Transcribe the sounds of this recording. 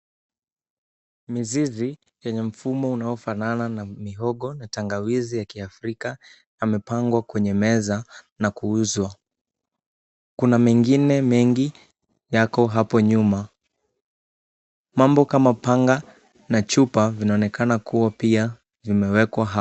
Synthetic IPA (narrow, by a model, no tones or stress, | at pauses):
mizizi | jɛɲɛm̩fumɔunaɔfanananamiɦɔɠɔnataŋɡawizijakiafɾika | jamɛpaŋɡwakwɛɲɛmɛzanakuuzwa | kunamɛŋɡinɛmɛŋɡi | jakɔɦapɔɲuma | mambɔkamapaŋɡa | nat͡ʃupavinaɔnɛkanakuwapia | vimɛwɛkwaɦa